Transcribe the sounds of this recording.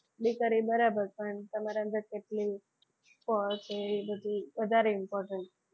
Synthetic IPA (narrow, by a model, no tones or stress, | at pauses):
ɖikəɾibəɾabəɾpəɳt̪əmaɾãnd̪əɾkeʈli | pɔɭt͡seibəd̪ʱiʋəd̪ʱaɾeimpɔɾʈəɳʈ